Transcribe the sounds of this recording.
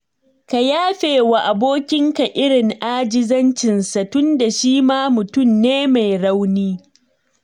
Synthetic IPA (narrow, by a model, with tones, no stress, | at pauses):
ka˨jaː˦ɸeː˨wa˨ʔa˨boː˦kʲɪ˦ŋka˨ʔɪ˦ɽɪ˨ŋʔaː˦d͡ʒɪ˦zɐ˦nt͡ʃɪ˨nsa˨tʊ˦nda˨ʃiː˦maː˦mʊ˨tʊ˦˨mneː˦ma˨jɽa˦wniː˦